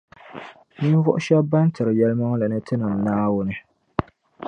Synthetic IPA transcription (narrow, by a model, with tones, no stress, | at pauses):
ni˦n˦vʊ˦ʔʊ˦ʃɛ˦bba˦n˦tɨ˨ɾɨ˨jɛ˦lma˦ŋ˦la˨nɨ˦tɨ˦nɨ˨mnaː˦wʊ˦nɨ˦